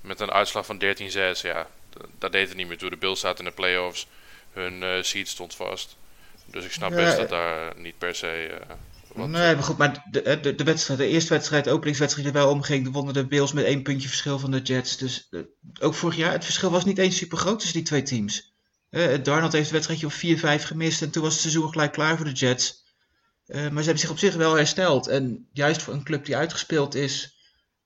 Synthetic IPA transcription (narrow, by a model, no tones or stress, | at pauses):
mɛtənʔœ̰ɥtslɑχfɑndɛɹtinzɛsja̰dɔdejtətnitmɪːɹtudəbɪlˠsaːtɛndəplejɔfshənsitstɔntfɑ̰stdøsɪksnɑpaɛdda̰ːɹnit̚pɛɹsej | nejmaχutmaːɹɦɛdədəʋɛtstrɛjtdəɪːɹstəʋɛtstrɛjtowpənlɪŋs̬ʋɛtstrɛjtdəʋɛlˠɔmχɪŋdəʋɔndədəbɪlˠsmɛtejnpɵntjəvəɹsχɪlˠvɑndəd͡ʒɛtsdøsowkfʊːɹəχjaːɹətfəɹsχɪlˠʋɑsnitejnsypəɹχrowtːɵsditʋejtims | ɦɛdɑɹnəl̩ˠtɦejftdəʋɛtstrɛjtjəɔpfiːɹvɛjfχəmɪstɛntunʋɑsətsɛzunχəlɛjkːlaːɹvʊːɹdəd͡ʒɛts | əmaɹzəɦɛbən̩zɪχɔpsɪχʋɛlˠɦɛɹstɛlˠtʰɛnjœɥstfʊːɹənklɵp̚diœɥtχə̥spɪːlˠtɪs